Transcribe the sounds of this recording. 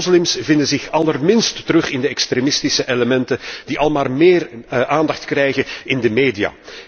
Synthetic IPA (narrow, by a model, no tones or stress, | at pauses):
zlɪmsvɪndəzɪxɑlərmɪnstːəɾɵxɪndəɛkstɾeːmɪstɪsəʔeləmɛntəd̥iʔɑlˠmaːrmeːrʔaːndɑxtkrɛjɣənɪndəmeːdija̰ː